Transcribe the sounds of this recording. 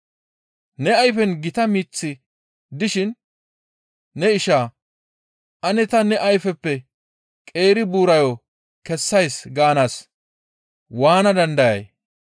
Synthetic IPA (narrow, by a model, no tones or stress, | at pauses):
nɛɐjfɛnɡɪt̪ɐmiːt͡sːɪ | d̪ɪʃɪn | ɛɪʃaː | ʔɐnɛt̪ɐnɛʔɐjfɛpːɛ | kʼe̞ːɾɪbuːɾɐjo | kɛsːɐjsɡaːnaːs | waːnɐd̪ɐnd̪ɐjɐ̰j